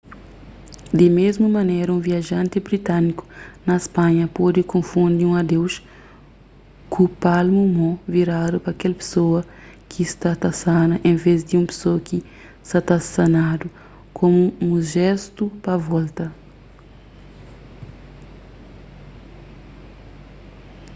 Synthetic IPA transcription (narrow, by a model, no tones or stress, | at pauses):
d̪ɪmezmumɐnɛjɾɐũviaʒɐ̃nt̪ebɾit̪aniku̥nɐespãɲɐpɔd̪ikõfũnd̪iũɐd̪ews | kupalmumõviɾad̪upɐkɛlpe̥soɐ | kist̪at̪asanɐʔẽvezd̪ɪũpe̥soɐki | sat̪asanad̪u | kʰõmuũʒɛst̪upɐvɔlt̪ɐ